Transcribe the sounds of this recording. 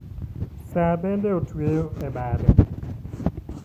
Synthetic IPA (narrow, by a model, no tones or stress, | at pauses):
sabɛndɛotweoɛbadɛ